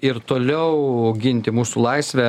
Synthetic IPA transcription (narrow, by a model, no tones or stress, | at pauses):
ɪɾt̪oːlʲɛʊɡʲɪnʲt̪ʲɪmuːsulˠɐɪsʲʋʲɛ